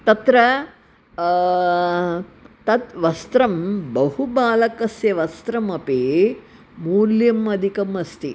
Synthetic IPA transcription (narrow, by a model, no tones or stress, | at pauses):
t̪ɐt̪ɾɐ | t̪ɐt̪ʋɐst̪ɾɐmbɐhubaːlɐkɐsjɐʋɐst̪ɾɐmɐpeː | muːljɐmɐd̪ʱikɐmɐst̪ʰi